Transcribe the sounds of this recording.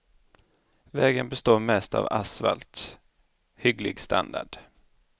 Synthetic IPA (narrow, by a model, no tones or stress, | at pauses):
vɛːɡənbɛst̪oːɾmɛst̪a̰vasva̰lt̪s | hʏɡlɪɡst̪ʰand̪aɖ̥